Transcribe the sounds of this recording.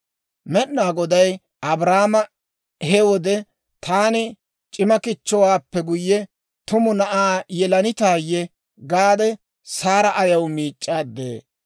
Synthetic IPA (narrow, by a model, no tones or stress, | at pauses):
mɛɗːaːɡɔd̪ɐj | ɐbɾaːmɐ | hɛwɔd̪ɛ | t̪ʰaːnɪ | t͡ʃʼɪmɐkɪt͡ʃːɔwaːpːɛɡʊjːɛ | t̪ʊmʊnɐʔaːjɛlɐnɪt̪aːjːɛ | ɡaːd̪ɛ | saːɾɐʔɐjɐwmiːt͡ʃʼːaːd̪ːḛː